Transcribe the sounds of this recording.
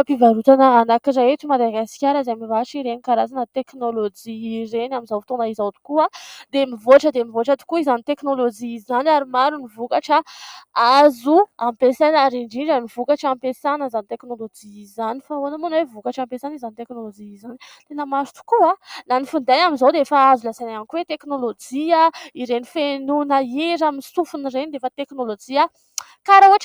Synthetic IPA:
pivaɾut̪anəanakizaet̪umad̪aɡaskʲaɾazaamivaʈ͡ʂiɾenikaɾazanət̪eknolod͡ʒiɾenamizawft̪onaizawt̪u̥kuad̪emivoaʈ͡ʂəd̪emivoʈ͡ʂət̪u̥kuizanit̪eknolod͡ʒiːzanaɾimaɾunivukaʈ͡ʂəazuampesanaɾiɳɖ͡ʐiɳɖ͡ʐamiv̥ukaʈ͡ʂampesanəzanit̪eknolod͡ʒiizzanifaonamunwevukaʈ͡ʂampesanizanit̪eknolod͡ʒiizanit̪enəmaɾu̥t̪u̥kualanifund̪anamizowd̪eefaazulasajnamikwet̪eknolod͡ʒiaiɾenifenunaeɾaminsufunirenid̪eefət̪eknolod͡ʒia | kaɾauaʈ͡ʂ

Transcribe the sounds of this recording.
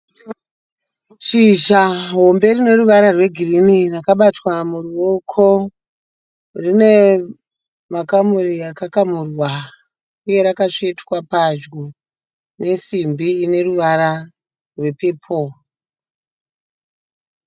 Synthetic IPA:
ʂiʒaɦo̞mbe̞rine̞ruʋaɾarwe̞ɡʱirinirakaɓatwamuruokʰo̞ | rine̞ | makamurijakakamurwa | uje̞ɾakaʂetwapad͡ʒɡo | ne̞simbiːne̞ruʋaɾa | rwe̞pe̞ːpʰo

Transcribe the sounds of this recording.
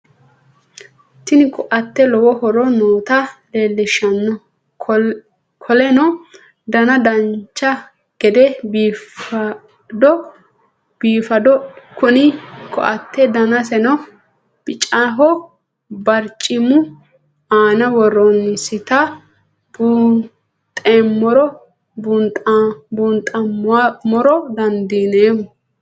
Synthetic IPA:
t̪ɪnɪkʰɔʔɐt̪ːɛlɔwɔhɔɾɔnoːt̪ɐle̞ːlːɪʃɐnːɔ | kʰɔlɛnɔ | d̪ɐnɐd̪ɐnt͡ʃːɐ | ɡ̥ɛd̪ɛ | d̪ɔ | b̥iːfɐd̪ɔkʊnɪkɔ̰ʔɐt̪ʰːɛd̪ɐnɐsɛnɔ | b̥ɪt͡ʃʼaɦɔ | bɐɾt͡ʃʼːɪmʊ | aːnɐwɔrɔnːɪsɪt̪ɐ | bu | t̪ʼeːmːɔɾɔ | bunt̪ʼbunt̪ʼɐmmɔɾɔd̪ɐnd̪iːneːmʊ

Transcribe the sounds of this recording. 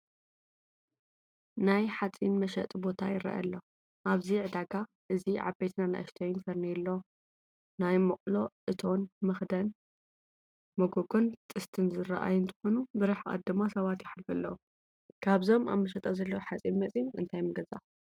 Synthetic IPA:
najħat͡sʼinmɐʃɐt̪ʼbo̞t̪ʰajɪɾɐ̰ʔɐ̰lːo | ʔaβziʕɨd̪aɡa | ʔɨziʕa̰bet̪ʰnana̰ʔɐ̰ʃt̪ʰɐjunfɐɾniɛlːo̞ | najmɨqʼlo̞ʔɨt̪ʰo̞nmɨxd̪ɐn | mɐɡoɡo̞nt̪ʼɨst̪ʰɨnzɨɾɐ̰ʔa̰jɨnt̪ʰɨ̥xo̞nubɨɾɨħʔa̰d̪ːɨmːasɐβat̪jɪħlfɨlːɐwu | kʰaβzo̞ma̰mːɐʃɐt̪ʼɐzɐlːɐwħat͡sʼinmɐt͡sʼinʔɨ̰nt̪ʰajmɐɡɐza̰

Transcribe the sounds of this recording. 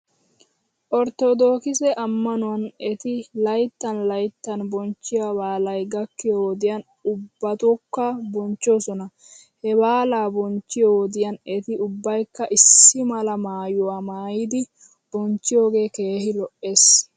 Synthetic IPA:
ʔɔɾt̪ɔd̪o̞ːkɪsɛʔɐmːɐnʊwɐnɛt̪ɪlɐjt̪ːɐnlɐjt̪ːɐnbɔnt͡ʃːɪjabaːlɐjɡɐkːɪjoːd̪ɪjɐn | ʊbːɐt̪ɔkːɐbɔnt͡ʃːoːsɔnɐ | hɛbaːlaːbɔnt͡ʃːɪjoːd̪ɪjɐnɛt̪ɪʊbːɐjkːɐʔɪsːɪmɐlɐmaːjʊwamaːjɪd̪ɪ | b̥ɔnt͡ʃːɪjo̞ːɡe̞ːke̞ːhɪlɔʔːe̞ːs

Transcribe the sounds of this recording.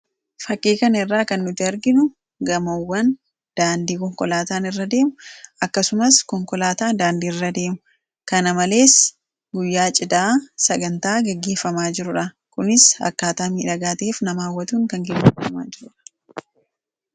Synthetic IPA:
fɐkʼːeːkɐnɐɪrːaːkɐnːʊt̪ːɪɐɾɡɪnʊ | ɡɐmɐwːɐn | d̪̥aːnd̪iːkɔŋkɔlaːt̪aːnɪrːɐd̪e̞ːmʊʔɐkːɐsʊmɐskɔŋkɔlaːt̪aːd̪aːnd̪iːɪrːɐd̪e̞ːmʊ | kɐnɐmɐle̞ːs | ɡʊjːaːt͡ʃʼɪd̪aːsɐɡɐnt̪aːɡɛɡːeːfɐmaːd͡ʒɪɾʊᶑɐ | kʊnɪsɐ̰kːaːt̪aːmiːᶑɐɡaːt̪ɐeːfnɐmaːwːɐt̪uːŋkɐŋɡɛɡːeːfɐma̰ːd͡ʒɪɾʊᶑɐ̥

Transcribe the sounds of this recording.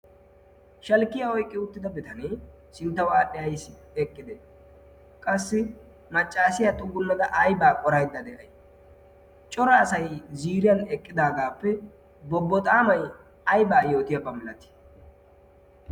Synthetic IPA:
ʃɐlkːɪjɐɔjkʼːɪʊt̪ːɪd̪ɐbɪt̪ɐneː | sɪnt̪ːɐwaːɗɛɐjsɪ | ɛkʼːɪd̪ɛ | kʼɐsːɪ | mɐt͡ʃʼːaːsɪjat̪ʼʊɡːʊnːɐd̪ɐʔɐjbaːkʼɔɾɐjd̪ːɐd̪ɛʔɐj | t͡ʃʼɔɾɐːsɐjziːɾɪjɐnɛkʼːɪd̪aːɡaːpːɛ | bɔbːɔt̪ʼaːmɐj | ɐjbaːjo̞ːt̪ɪjɐbɐmɪlɐt̪ɪ̥

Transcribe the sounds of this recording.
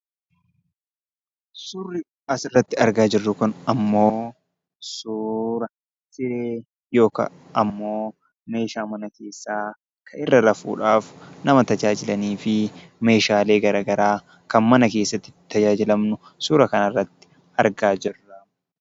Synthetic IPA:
sʊrːɪ | ɐsɪrːɐt̪ːɪɐɾɡaːd͡ʒɪrːʊkʊnɐmːo̞ː | suːɾɐ | sɪɾeː | jo̞ːkɐ̰ | ʔɐmːo̞ː | me̞ːʃaːmɐnɐkʰe̞ːsːaː | kʰɐʔɪrːɐlɐfṵːᶑaːfnɐmɐt̪ɐd͡ʒaːd͡ʒɪlɐniːfɪ | me̞ːʃaːle̞ːɡɐɾɐɡɐɾaː | kɐnmɐnɐkeːsːɐt̪ːɪɪt̪ɐd͡ʒaːd͡ʒɪlɐmnʊ | suːɾɐkɐnɐrːɐt̪ːɪ̥ | ɐɾɡaːd͡ʒɪrːɐ

